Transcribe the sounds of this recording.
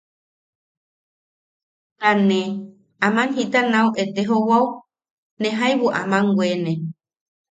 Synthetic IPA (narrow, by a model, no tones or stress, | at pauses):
ɾanẽ | ãmãnɦit̪anãwʔet̪eɦowaw | nẽɦajβuʔa̰mãŋɡʷwʷenẽ